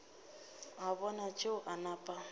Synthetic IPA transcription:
abɔnat͡ʃʼeʊʔanapʼa

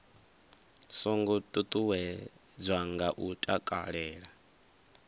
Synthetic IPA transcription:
sɔŋɡut̪ʼut̪ʼuwɛd͡zʷaŋɡaʔutʼakʼa̰ɺɛːɺa

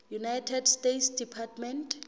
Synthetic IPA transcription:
junajtʰɛdstetsdipʰatmɛntʰ

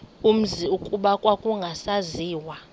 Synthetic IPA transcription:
um̩ziukʼuɓakʼwakʼuŋɡʱasaziːwa

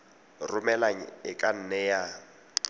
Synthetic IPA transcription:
rʊmɛlaɲ̩ɪkʼan̩nɛja

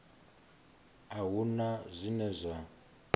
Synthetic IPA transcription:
aɦunazʷinɛzʷa

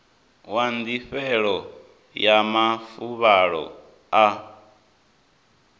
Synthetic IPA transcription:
wand̪iɸɛɺɔ | jamafuβaɺɔ̰ | a

